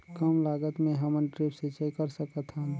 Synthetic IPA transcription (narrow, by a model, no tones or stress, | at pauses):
kəmlaɡət̪mẽɦəmənʈɾepset͡ʃəjkəɾsəkət̪ʰɦən